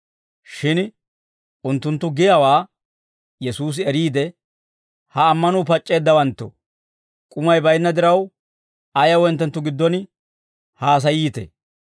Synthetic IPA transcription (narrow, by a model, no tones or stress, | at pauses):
ʃɪn | ʊnt̪ːʊnt̪ːʊɡɪjawaː | jɛsuːs̬ɪɛɾiːd̪ɛ | hɐːmːɐnuːpɐt͡ʃʼːe̞ːd̪ːɐwɐnt̪ːɔ̰ | kʼʊmɐjbɐjnːɐd̪ɪɾɐw | ɐjɐwɔjnt̪ːɛnt̪ːʊɡɪd̪ːɔn | haːs̬ɐjiːt̪ɛ̰